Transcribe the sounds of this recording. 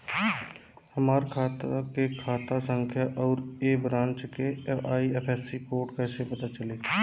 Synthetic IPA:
həmaːɾkʰaːt̪akekʰaːt̪asə̃ŋkʰjaʔɔːɾebɾãːɲt͡ʃkeaːiɛpʰɛːsikoːɾʈkɛːsepɐt̪at͡ʃəleː

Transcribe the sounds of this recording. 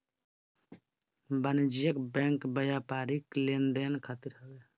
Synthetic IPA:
bənd͡ʒijəkbɛ̃ːŋkbəjaːpaːɾiklend̪eːnkʰat̪iɾɦəbe

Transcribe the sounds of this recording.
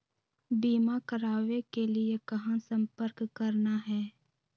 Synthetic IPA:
biːmakəɾaːʋekeliekɐɦãsə̃mpəɾkkːəɾnaɦɛː

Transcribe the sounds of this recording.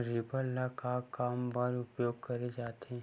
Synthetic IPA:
ɾɪbəɾlakakaːmbəɾʊpjoːɡ̚kəɾed͡ʒaːt̪ʰẽ

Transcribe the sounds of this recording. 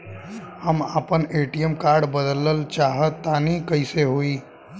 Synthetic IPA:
həməpəneʈijəmkaɾɖbəd̪ələlt͡ʃaɦət̪ːanikəɪseɦoi

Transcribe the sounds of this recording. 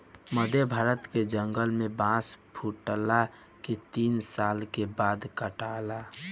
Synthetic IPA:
məd̪ʱebʱaːɾət̪ked͡ʒəŋɡəlmẽbãspʰuʈla | ket̪iːnsaːlkebad̪kəʈala

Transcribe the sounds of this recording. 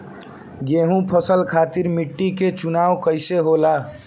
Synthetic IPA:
ɡeɦũpʰəsəlkʰat̪iɾmiʈːiket͡ʃunawkəɪseɦola

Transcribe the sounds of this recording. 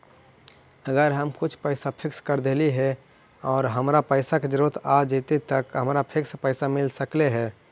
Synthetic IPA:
əɡəɾɦəmkʊt͡ʃʰpəɪsapʰɪkskəɾd̪eːliɦɛ | ɔːɾɦəmɾapəɪsaked͡ʒəɾut̪ʰad͡ʒit̪et̪əkɦəmɾapʰɪkspəɪsamɪlsəkleɦɛː

